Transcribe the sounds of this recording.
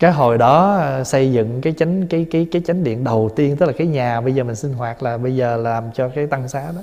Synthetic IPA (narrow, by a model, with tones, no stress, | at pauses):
kaː˨˦jɦo˧˨˩jɗɔ˨˦˧sə˧jzɨ̰˧˨ŋkaː˨˦jt͡ɕa˨˦ŋ̟kaː˨˦jkaː˨˦jkaː˨˦jt͡ɕa˨˦ŋ̟ɗḭ˧˨ənɗə˨˩wt̪i˧ənt̪ɨ˦˥k̚laː˨kaː˨˦jɲaː˨˩ɓə˧jzəː˨˩mï˨˩ŋ̟si˧n̟ɦwaː˨˩t̚laː˨˩ɓə˧jzəː˨˩laː˨˩mt͡ɕɔ˧kaː˨˦jt̪a˧ŋsaː˨˦ɗɔ˨˦